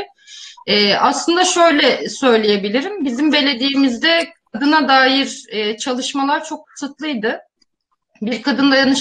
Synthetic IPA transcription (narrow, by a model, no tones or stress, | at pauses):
ɛːʔaslˠɯnd̪aʃø̞jlʲɛsø̞jlʲejebilʲiɾimbizimbe̞lʲe̞d̪ijːmizd̪ɛkʰad̪ɯnad̪aːjiɾɛːt͡ʃʰalˠɯʃmalˠaɾt͡ʃʰo̞k̚kɯ̥sɯt̪lˠɯjd̪ɯ | biɾkʰad̪ɯnlˠajanɯʃ